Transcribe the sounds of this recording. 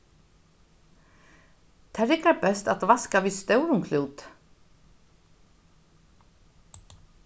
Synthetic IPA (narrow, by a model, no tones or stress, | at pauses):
t̪ʰaɾɪkaɾpɛst̪at̪vaskaviðst̪œwɾʊŋkʰluːt̪